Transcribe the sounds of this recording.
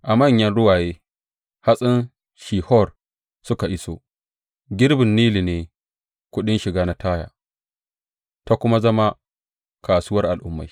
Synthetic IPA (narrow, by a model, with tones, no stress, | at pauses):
ʔa˨mɐ˦˨ɲjɐ˦nɽʊ˦waː˨jeː˦ | ha˦sʼɪ˦n | ʃiː˨hɔ˦˨r | sʊ˦ka˨ʔɪ˦so̰˦ | ɡʲɪ˦ɾbɪ˨nːiː˦li˨neː˨ | kʷʊ˦ɗɪ˦nʃɪ˨ɡaː˦na˦tʰaː˦ja̰ː˨ | ta˦kʷʊ˦ma˦zɐ˦ma˦ | kaː˨suː˦wɐ˦rʔa˨lʔʊ˦mːa̰˨j